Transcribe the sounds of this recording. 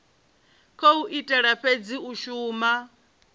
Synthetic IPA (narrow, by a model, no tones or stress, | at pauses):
kʰouʔitʼɛɺaɸʰed͡ziuʃuːma